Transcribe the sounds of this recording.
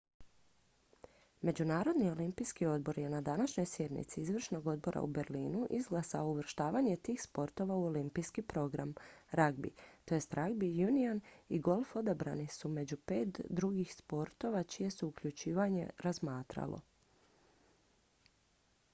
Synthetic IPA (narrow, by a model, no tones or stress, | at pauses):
me̞d͡ʑunaːɾo̞d̪nio̞limpijskio̞d̪̚bo̞ɾje̞nad̪anaʃɲo̞jsje̞d̪nḭt̪siizʋr̩ʃno̞ɡo̞d̪̚bo̞ɾʔa̰ube̞ɾliːnuʔizɡlˠasaouʋr̩ʃt̪aːʋaɲe̞t̪iːxspo̞ɾt̪o̞ʋauo̞limpijskipɾo̞ɡɾa̰mɾaɡbḭt̪o̞jest̪ɾaɡbijunianiɡo̞lˠfo̞d̪abɾa̰nisume̞d͡ʑupe̞ːt̪d̪ɾuɡixspo̞ɾt̪o̞ʋat͡ʃije̞suukʎut͡ʃiːʋaɲe̞̰ɾazmaːt̪ɾa̰lˠo̞̰